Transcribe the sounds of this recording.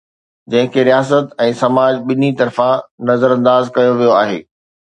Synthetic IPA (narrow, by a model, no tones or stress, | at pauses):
d͡ʑɐ̃ɦɪ̃kʰeːɾijaːs̬ət̪ɛ̃ːsɐmaːd͡ʑɓɪnit̪ɐɾfãnɐzəɾɐ̃nd̪aːzkɐjoʋijoaːɦḛː